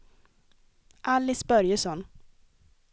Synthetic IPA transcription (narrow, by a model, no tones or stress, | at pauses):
ʔalːɪsbœɾjəsɔn